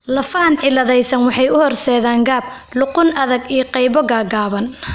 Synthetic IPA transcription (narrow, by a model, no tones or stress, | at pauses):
lɐfɐnʕɪlɐðɛjsɐnwɑħɑjʊhɔrsɛːðaːŋɡaːb̚ | lʊqʊnɐðɐɡijɞqɛjβɔɡaːɡaːβɐn